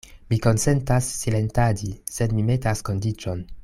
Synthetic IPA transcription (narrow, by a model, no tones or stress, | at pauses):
miko̞nse̞ntasːile̞ntad͡ʒisedmime̞tasko̞ndit͡ʃo̞n